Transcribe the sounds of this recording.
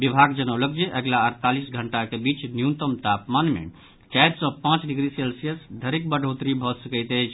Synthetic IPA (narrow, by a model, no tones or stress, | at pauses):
bibʱaɡd͡ʒənəwlək̚d͡ʒeʔəɡlaəɾt̪alisɡʱəɳʈakebit͡ʃnjunt̪əmt̪apmanmḛ | t͡ʃajd̪sə̃pãt͡ʃɖiɡɾiselsijəsd̪ʱəɾik̚bəɖʱot̪ɾibʱɔsəkəjt̪əjt͡ʃʰ